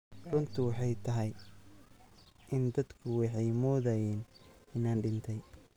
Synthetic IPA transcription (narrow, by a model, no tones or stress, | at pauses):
rʊnt̪ʰʊwɑħɑjt̪ʰɐɦɛj | ʔɪnd̪ɐd̪kʰʊwɑħɑjmɔːðajɛːnɪnaːnɖɪnt̪ʰɛj